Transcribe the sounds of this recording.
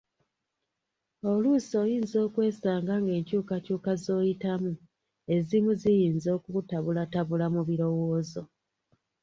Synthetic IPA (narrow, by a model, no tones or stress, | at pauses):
o̞luso̞ːjiːnzo̞ːkwe̞ːsaːŋɡaŋɡe̞ːɲcuːkacuːkazo̞ːjitamu | e̞zimuzijiːnzo̞ːkutaβulataβulamuβiɾo̞wo̞ːzo̞